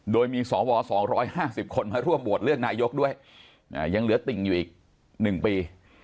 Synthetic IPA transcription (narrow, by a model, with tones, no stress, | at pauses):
doː˧jmiː˧sɔː˩˦wɔː˧sɔː˩˦ŋɾɔː˦˥jhaː˥˩si˨˩p̚kʰo˧nmaː˧ɾu˥˩əmbu˨˩ət̪̚ɾɯ˥˩əŋ̚naː˧jo˦˥k̚du˥˩əj | ʔa̰ː˨˩ja˧ŋlɯ˩˦ɐt̪i˨˩ŋjuː˨˩ʔiː˨˩k̚ | nɯ˨˩ŋpiː˧